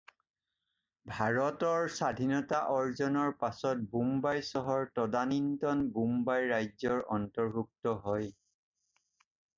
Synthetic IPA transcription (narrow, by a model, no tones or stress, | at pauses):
bʱaɹɔtɔɹsadʱinɔtaʔɔɹzɔnɔɹpasɔt̚bumbajsɔɦɔɹtɔdanintɔnbumbajɹajzɔɹʔɔntɔɹbʱuk̚tɔɦɔj